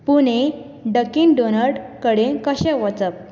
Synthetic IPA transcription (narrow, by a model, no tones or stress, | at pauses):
pune | ɖəkinɖonəɾɖkəɽekəɕɛ̃ʋɔt͡səp̚